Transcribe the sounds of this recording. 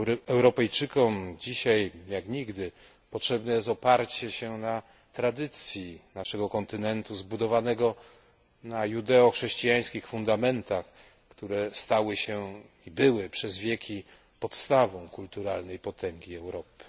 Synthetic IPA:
ɛwɾɔpɛjt͡ʂɘkɔmd͡ʑiɕajjakɲiɡd̪ɘ | pɔtʂɛbnɛjɛst̪ɔpaɾt͡ɕɛɕɛna | t̪ɾad̪ɘt̪sʲjinaʂɛɡɔkɔnt̪ɘnɛnt̪uzbud̪ɔvanɛɡɔ | najud̪ɛɔxʂɛɕt͡ɕijaj̃skʲixfund̪amɛnt̪ax | kt̪uɾɛst̪awɘɕɛ | ibɘwɘpʂɛzvʲjɛkʲi | pɔt̪st̪avɔ̃w̃kult̪uɾalnɛjpɔt̪ʰɛŋɡʲiɛwɾɔpɘ̥

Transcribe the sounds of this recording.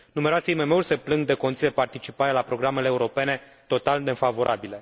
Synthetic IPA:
numeɾoaseime̞me̞urʲse̞plɨŋɡ̚d̪e̞ko̞nit̪ied̪epart̪it͡ʃipaɾelapɾo̞ɡɾame̞leːuɾo̞pe̞ne̞ | t̪o̞t̪ald̪efavo̞ɾʔa̰bile̞

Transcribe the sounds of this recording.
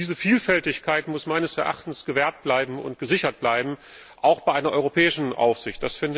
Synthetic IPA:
d̥iːzəfiːlfɛltɪçkʰaɪtmʊsmaɪnəsɛɐʔa̰χtn̩sɡ̥əvɛːɐt̚b̥laɪbm̩ʊ̰nt̚ɡ̥əzɪçɐt̚b̥laɪbm̩ | ʔaʊxb̥aɪʔaɪnɐʔɔʏʁopʰɛːɪʃn̩ʔa̰ʊfz̥ɪçt̚d̥asfɪnd

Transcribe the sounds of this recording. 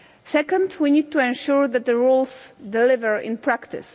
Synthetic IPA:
sɛkə̃ndwinid̚tuɛ̃nʃuɹðæt̪̚ðəɹulˠsdɛlɪvəɹɪ̰̃npʰɹæktɪ̰s

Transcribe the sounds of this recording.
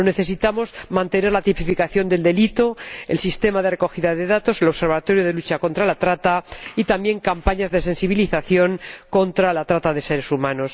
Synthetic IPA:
ne̞θe̞sit̪amo̞zmãnt̪e̞ne̞ɾlat̪ipifikaθjond̪e̞ld̪e̞lit̪o̞ḛlsist̪e̞maðe̞reko̞xiðaðe̞ðat̪o̞se̞lo̞βse̞ɾβat̪o̞ɾjoð̞e̞lut͡ʃako̞nt̪ɾalat̪ɾat̪ait̪ambje̞ŋkampaɲazðe̞se̞nsiβ̞iliθaθjo̞ŋko̞nt̪ɾalat̪ɾat̪aðe̞se̞ɾe̞sumãno̞s

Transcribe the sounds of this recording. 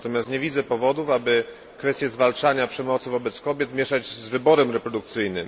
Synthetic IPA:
t̪ɔmʲjast̪ɲɛvʲid̪zɛpɔvɔd̪ufabɘ | kfɛst̪ʲjɛzvalt͡ʂaɲapʂɛmɔt̪sɘvɔbɛt̪skɔbʲjɛt̪mʲjɛʂad͡ʑzvɘbɔɾɛmɾɛpɾɔd̪ukt̪sɘjnɘm

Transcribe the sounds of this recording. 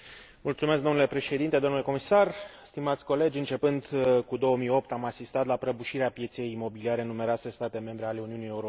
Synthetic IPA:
mult̪sume̞skɡd̪onule̞pɾe̞ʃe̞d̪int̪ed̪o̞mnuleko̞misarst̪imat̪sʲko̞le̞d͡ʒʲɨnt͡ʃe̞pɨnd̪kud̪o̞wəmio̞p̚t̪amasist̪at̪lapɾəbuʃiɾeapje̞t̪se̞jːmo̞biliaɾenume̞ɾoase̞st̪at̪e̞me̞mbɾeale̞uniunije̞uɾo

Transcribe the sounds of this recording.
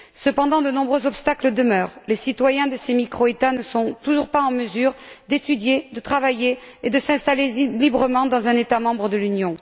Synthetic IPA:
səpɑ̃d̪ɑ̃d̪ənɔ̃bʁøzɔpst̪akləd̪əmœːʁlesit̪wajɛ̃d̪əsemikχoet̪anəsɔ̃t̪uʒuʁpaɑ̃məzyʁd̪et̪yd̪jed̪ət̪χavaje | ed̪əsɛ̃st̪alelibʁəmɑ̃d̪ɑ̃zɛ̃net̪amɑ̃bʁəd̪əlynjɔ̃

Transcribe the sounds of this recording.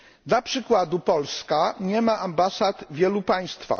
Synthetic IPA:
d̪lapʂɘkwad̪upɔlskaɲɛmaʔambasat̪vʲjɛlupaj̃st̪fa̰

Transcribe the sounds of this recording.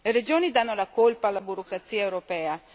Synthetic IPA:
leɾed͡ʒoːnid̪anːolakolpaalːabuɾokɾat̪siːaewɾopɛːa

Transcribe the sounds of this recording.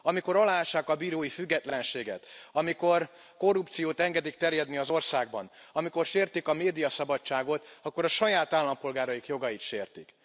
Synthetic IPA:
ɒmiko̞ɾɒlaːaʃːaːkɒbiːɾoːjifyɡːɛt̪lɛnʃeːɡɛ̰t̪ɒmiko̞r | ko̞rːupt̪sijoːt̪ɛŋɡɛd̪ikt̪ɛrjɛd̪niɒzo̞rsaːɡ̚bɒ̰nɒmiko̞rʃeːrt̪ikɒmeːd̪ijɒsɒbɒt͡ʃt͡ʃːaːɡo̞t̪ɒkːo̞ɾɒʃɒjaːt̪aːlːɒmpo̞lɡaːɾɒjikjo̞ɡɒjit̪ʃeːrt̪ik

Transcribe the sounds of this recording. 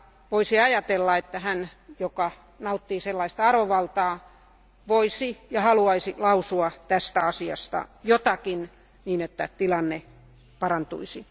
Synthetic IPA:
ʋoisiɑjɑt̪elːɑet̪ːæhænjokɑ | nɑut̪ːiːselːɑist̪ɑɑroʋɑlt̪ɑː | ʋoisijɑhɑluɑisilɑusuɑt̪æst̪æɑsiɑ̰st̪ɑ̰jot̪ɑkin | niːnet̪ːæt̪ilɑnːe | pɑrɑnt̪ṵisi

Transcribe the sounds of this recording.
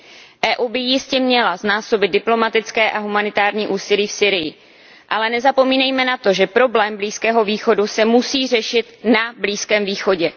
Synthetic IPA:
ʔɛːʔuːbɪjɪscɛmɲɛlaznaːso̞bɪd̪̚dɪplo̞mat̪ɪt͡skɛːʔaɦumanɪt̪aːɾɲiːʔuːsɪliːfsiːɾɪjɪ | ʔalɛnɛzapo̞miːnɛjmɛnat̪o̞ʒɛpɾo̞blɛːmbliːskɛːɦo̞viːxo̞dusɛmusiːr̝ɛʃɪt̪nabliːskɛːmviːxo̞ɟɛ

